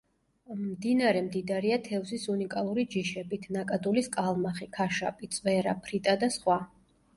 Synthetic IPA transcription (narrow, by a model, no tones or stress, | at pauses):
md̪inaɾɛmd̪id̪aɾiat̪ʰɛvsisunikʼalˠuɾid͡ʒiʃɛbit̪ʰnakʼad̪uliskʼalˠmaχikʰaʃa̰pʼit̪sʼvɛɾa̰pʰɾit̪ʼad̪asχwa